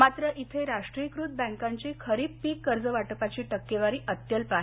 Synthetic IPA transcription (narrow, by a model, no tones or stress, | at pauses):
mat̪ɾəʔit̪ʰəjɾaʂʈɾikɾuːd̪̚bɛ̃ŋkãɲt͡ɕikʰəɾiːppikːəɾd͡zəʋaʈəpat͡ɕiːʈəkːeʋaɾiːʔət̪jəlpaɦ